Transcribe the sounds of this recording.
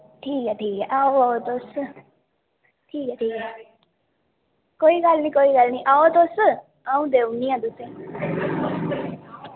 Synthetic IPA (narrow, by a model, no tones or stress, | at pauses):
ʈʰiːkɛʈʰiːkɛʔaoaot̪osə | ʈʰiːkɛʈʰiːkɛ | koikalnĩkoːikalniʔaot̪osə | aũd̪eũnĩãd̪usẽ